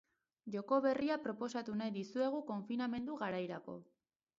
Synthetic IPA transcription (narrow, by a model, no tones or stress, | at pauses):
ʝo̞ko̞βe̞riapɾo̞po̞sat̪unajðisue̞ɣ̞uko̞ɱfiname̞nd̪uɣaɾajɾako̞̰